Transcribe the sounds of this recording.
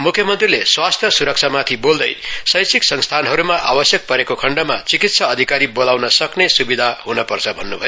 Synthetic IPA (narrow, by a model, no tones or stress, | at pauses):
mukʰjʌmʌnt̪rileswast̪ʰjʌsuɾʌk̚t͡sʰamat̪ʰibold̪ʌ̰jsʌjsiksʌŋst̪ʰanɦʌɾumaʔa̰bʌsjʌk̚pʌɾekokʰʌɳɖʌmat͡sikit̪sʰʌːd̪ʱikaɾibolawnʌsʌknesubid̪ʱaɦunʌpʌrt͡sʰʌbʱʌnːubʱʌjo